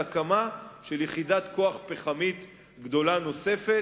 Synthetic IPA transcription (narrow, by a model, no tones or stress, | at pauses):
akamaʃeljeχidat̪ko̞aχpeχamit̪ | ɡd̪o̞lano̞se̞fe̞